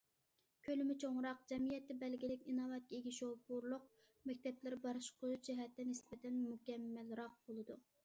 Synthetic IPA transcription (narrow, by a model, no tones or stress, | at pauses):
kʲʰølɪmɪt͡ʃʰoŋɾɑqd͡ʒɛmijɛt̪ːɛbɛlɡʲilɪkʲinɑvɛt̪̚kʲʰɛeɡʲiʃobuɾlˠʊq | mɛk̚ʲt̪ʰɛplɪɾbɑɾɨʃqod͡ʒɛɦɛt̪ːɛnɪsbɪt̪ʰɛnmukʲɛmːælɾɑq̚bolˠɨd̪u